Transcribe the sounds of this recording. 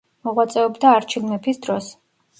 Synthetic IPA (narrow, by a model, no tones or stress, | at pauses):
mɔʁwat̪sʼɛɔbd̪aːɾt͡ʃʰilmɛpʰisd̪ɾɔs